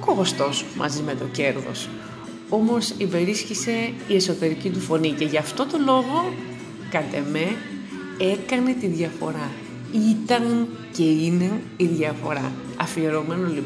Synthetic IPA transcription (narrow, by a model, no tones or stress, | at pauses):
okoɣost̪o̞smʔɐ̰zime̞t̪o̞ce̞ɾðo̞̰s | o̞mo̞sibe̞ɾisçise̞ie̞so̞t̪e̞ɾicit̪̬ufo̞nice̞ʝɐft̪o̞t̪o̞lo̞ɣo̞ | kɐt̪e̞me̞ | e̞kɐne̞t̪iðʝɐfo̞̰ɾɐ | it̪ɐn | ce̞ine̞iðʝɐfo̞ɾɐ | ɐfieɾo̞me̞nolip